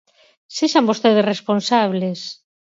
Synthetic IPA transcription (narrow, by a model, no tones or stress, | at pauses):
seʃambost̪eðesresponsaβ̞les